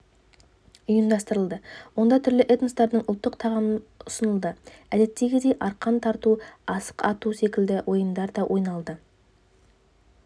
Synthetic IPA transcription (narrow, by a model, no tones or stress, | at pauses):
ʊjəmd̪ɑst̪əɾəlˠd̪əwo̞nd̪ɑt̪ʰʏɾlɪʔet̪nəst̪ɑɾd̪əɴʊlˠt̪ːəqt̪ʰɑʁɑmənʊsənəlˠd̪əæd̪e̞t̪ːe̞ɡʲɪd̪e̞jʔɑɾqɑnt̪ʰɑɾt̪uɑsə̥qɑt̪use̞kʲɪld̪ɪwʔo̞jəmd̪ɑɾd̪ɑwʔo̞jnɑlˠd̪ə